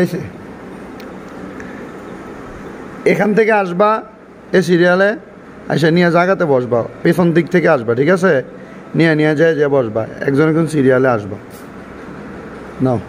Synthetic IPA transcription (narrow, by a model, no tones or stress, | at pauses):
ajsʰe | ekʰant̪ʰekeaʃba | es̬iɾiale | a̰js̬enijad͡ʑaɡat̪ebɔʃbapet̪ʰɔnd̪ik̚t̪ʰekeaʃbaʈʰikasʰe | nijanijad͡ʑajd͡ʑeabɔʃba̰ɛ̰k̚d͡ʑɔnekonsiɾijaleaʃba | na